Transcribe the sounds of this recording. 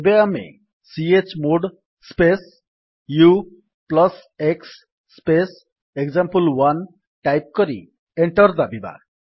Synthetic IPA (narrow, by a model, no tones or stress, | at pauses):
ebeamḛ | siet͡ʃmoɖ | spes | ju | plɔseksː | pes | ekzampəlwan | ʈajp̚kɔɾḭ | eɳʈɔɾd̪abiba̰